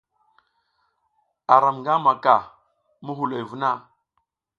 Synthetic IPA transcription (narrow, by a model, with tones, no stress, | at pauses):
a˨ɾa˨mŋɡa˦ma˨ka˨ | mu˦ɦu˨la˨jvu˦na˦˨